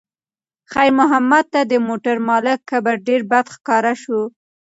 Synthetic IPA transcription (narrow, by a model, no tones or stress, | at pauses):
xajɾmʊɦamːad̪̚t̪ad̪əmoʈaɾmɑlɪkːabaɾɖeɾbad̪xkɑɾaʃu